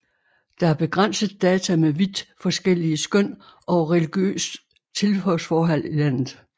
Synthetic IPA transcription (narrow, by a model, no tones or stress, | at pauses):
d̥ɑ̈æɐb̥e̝ɡ̥ʁɑn̰səð̩ˠd̥ɛːt͡sʰæmeʋid̥fɒ̽sɡ̥el̰iəsɡ̥øn̰ʔɒ̽ʁeliɡ̥jø̰ːs | t͡sʰe̝lfœsfɒːɦæl̰ilæn̰ð̩ˠ